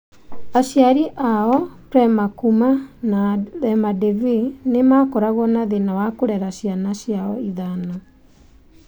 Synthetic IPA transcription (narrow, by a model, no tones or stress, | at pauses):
aɕjaɾiʔaɔpɾɛmakumanaðɛmadevinemaːkɔɾaɣɔnaðenawakoɾɛɾaɕianaɕjaɔiðanɔ